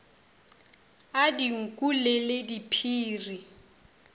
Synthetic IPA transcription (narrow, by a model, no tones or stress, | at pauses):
adiŋ̩kʼuleledipʰiːri